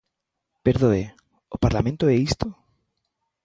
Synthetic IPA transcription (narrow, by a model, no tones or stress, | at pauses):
peɾðoe | opaɾlamẽnt̪oɛist̪o